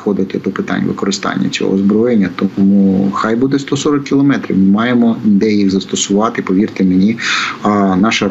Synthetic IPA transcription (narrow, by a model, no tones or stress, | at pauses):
xɔd̪ɪt̪ʲɪd̪ɔpɪt̪ɑ̰nʲʋɪ̰kɔɾɪst̪ɑ̰nʲːɐ̰t͡sʲɔ̰ɦɔ̰zbɾɔjenʲːɐt̪ɔmuxɑjbud̪ɛst̪ɔsɔɾɔkːʲiɪlˠɔmɛt̪ɾʲḭwmɪmɑjemɔd̪ɛjixzɐst̪ɔsʊʋɑt̪ɪpɔʋʲirt̪ɪmenʲi | nɑʃɐ